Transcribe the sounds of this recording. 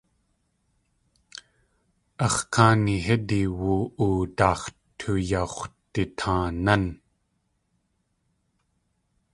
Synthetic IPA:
ʔɑχkaːniɦediwuʔuːt̪ɑːχt̪ʰujaχt̪it̪ʰãːnan

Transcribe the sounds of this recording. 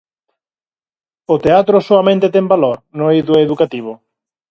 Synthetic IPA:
ot̪eat̪ɾosoamẽnt̪et̪embaloɾnoiðueðukat̪iβ̞o

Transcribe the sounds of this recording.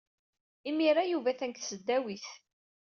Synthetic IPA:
imiɾajuvæθænkθsəd̪ːæwiθ

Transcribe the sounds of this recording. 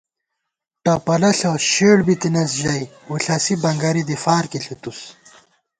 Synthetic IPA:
ʈɐpɐlɐɬɐɕeːɽbit̪inɐsʑɐjwuɬɐsibɐŋɡɐɾid̪ifaːɾkiɬʰit̪us

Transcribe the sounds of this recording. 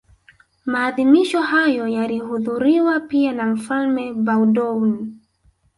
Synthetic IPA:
maːðimiʃɔhajɔjalihuðuɾiwapianam̩falmɛbawdɔwn

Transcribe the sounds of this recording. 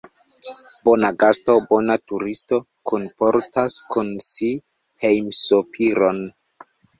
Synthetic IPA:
b̥onaɡasto̞bonatuɾisto̞ | kʰonpo̞ɾtaskunsi | hejmsopʰiɾon

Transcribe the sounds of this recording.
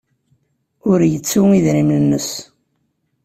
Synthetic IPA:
ʊɾjət͡sːuŋiðɾimlənːəs

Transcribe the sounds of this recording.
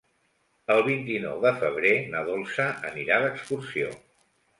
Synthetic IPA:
əlˠβ̞int̪inɔ̰wðəfəβ̞ɾenəðɔlˠsəəniɾaðəkskursio̰

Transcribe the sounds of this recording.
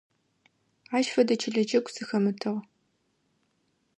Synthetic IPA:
aːʃfɐdɐt͡ʃʰɪɮɐd͡ʒɐkʷʼsɨxɐmɨtʰɨʁ

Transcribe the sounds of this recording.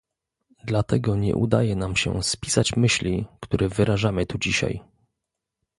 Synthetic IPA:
d̪lat̪ɛɡɔɲɛ̰ʔṵd̪ajɛnamɕɛ̰spʲi̥sat͡ɕmɘɕlʲikt̪uɾʔɛvɘɾaʐamɘt̪ud͡ʑiɕa̰j

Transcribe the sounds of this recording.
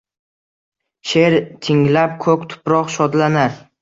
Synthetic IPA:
ʃe̞ɾt̪ʰɪŋlap̚kʰɵkʲt̪ʰʊ̥pɾɒqʃɒd̪lanaɾ

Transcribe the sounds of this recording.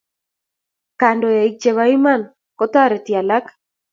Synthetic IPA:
kandoaik̚t͡ʃeβaiman | kot̪aɾet̪ialak

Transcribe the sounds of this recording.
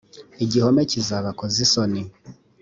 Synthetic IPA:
iɟihomecizaβakozisoni

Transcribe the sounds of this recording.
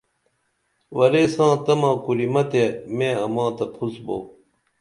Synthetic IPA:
wɐɾeːsãːt̪ɐmãːkuɾimɐt̪emẽːɐmãːt̪ɐpʰusbo̰ː

